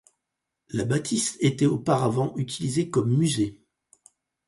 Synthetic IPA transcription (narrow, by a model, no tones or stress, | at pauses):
labat̪ʰist̪et̪ɛopaʁavɑ̃ʔyt̪ʰilizekɔmːyze